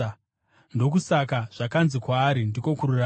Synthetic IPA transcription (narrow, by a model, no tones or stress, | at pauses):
ndo̞k̬usakaʐ̥akanzikwaːɾindikokurura